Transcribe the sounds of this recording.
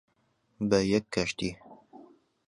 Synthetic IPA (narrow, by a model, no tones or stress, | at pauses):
bəjɛkʰːɐʃt̪iː